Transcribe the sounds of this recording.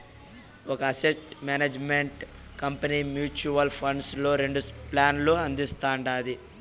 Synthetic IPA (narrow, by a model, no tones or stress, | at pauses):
ɔkɐːsesʈmaːneːd͡ʒmeɳʈ | kɐmpɐniːmjuːt͡ʃuʋɐlpʰɐɳɖslo̞ːɾe̞ɳɖuplaːnloːɐnd̪ist̪aːɳɖaːd̪i